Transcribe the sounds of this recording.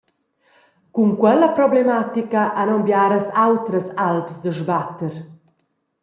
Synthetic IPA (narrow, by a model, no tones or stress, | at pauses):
kuŋkwɛləpɾɔblemat̪ikaʔanɔmbjaːɾəsawt̪ɾəsalpsd̪əʒbat̪əɾ